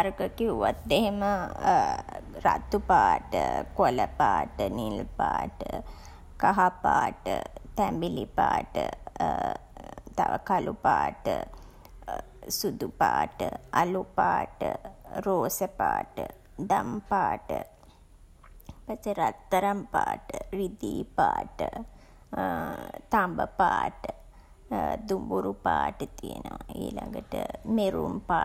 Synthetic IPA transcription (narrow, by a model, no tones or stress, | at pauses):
ɾɡəkiuʋat̪̚d̪ehemə | rat̪ːupaːʈəkoləpaːʈənilpaːʈə | kaɦapaːʈət̪æmbilipaːʈə | t̪aʋəkalupaːʈə | sud̪upaːʈəalupaːʈəɾoːsəpaːʈə | d̪ampaːʈə | paseɾat̪ːɐɾampaːʈəɾid̪iːpaːʈə | t̪ambəpaːʈə | d̪umbuɾupaːʈət̪ijenəʋaiːlaŋɡəʈəmeɾumpa